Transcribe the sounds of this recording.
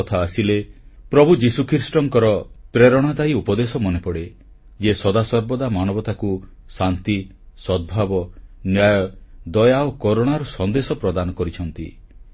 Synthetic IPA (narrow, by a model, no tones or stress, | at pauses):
ɔt̪ʰaːsilepɾɔbʱud͡ʒisukʰɾiɾsʈɔŋkɔɾɔpɾeɾɔɽ̃ad̪aiupɔd̪esɔmɔnepɔɽe | d͡ʒesɔd̪asɔɾbɔd̪amanɔbɔt̪aku | sant̪i | sɔd̪̚bʱabɔnjajɔd̪ɔjaokoɾoɽ̃aɾɔsɔnd̪esɔpɾɔd̪anɔkɔɾit͡ʃʰɔnt̪ḭ